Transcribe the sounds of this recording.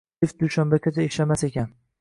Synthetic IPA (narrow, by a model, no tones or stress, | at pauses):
ɪfd̪uʃambakʲʰat̪t͡ʃ̪ʰaɪʃlamasekʲan